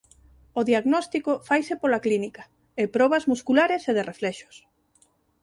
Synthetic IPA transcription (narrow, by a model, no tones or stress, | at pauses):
oðiaɣnɔst̪ikofajsepolaklinikḁ | epɾɔβɐzmuskulaɾeseðerʔeflɛʃo̥s